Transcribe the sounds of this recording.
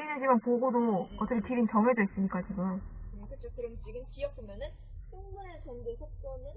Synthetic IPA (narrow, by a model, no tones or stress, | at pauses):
ɾinɯnd͡ʑimanpoɡodoʌtt͡ɕ͈ʌkʰetʰiɾint͡ɕʌŋed͡ʑʌis͈ɯmɲik͈at͡ɕiɡɯmkɯt͡ɕʰokɯɾʌmt͡ɕiɡɯmkijʌk̚pomjʌnɯn | sʰɯŋmuɾɯɭt͡ɕʌnɡesʰok͈ʌnɯn